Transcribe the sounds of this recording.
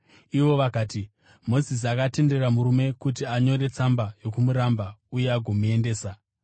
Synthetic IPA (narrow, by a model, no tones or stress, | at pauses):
iʋo̞ʋakaːti | mo̞zis̬iakate̞nde̞ramuɾume̞kutiaɲo̞ɾe̞t͡sambajo̞kumuɾambaujeaɡʱo̞mue̞nde̞ːsa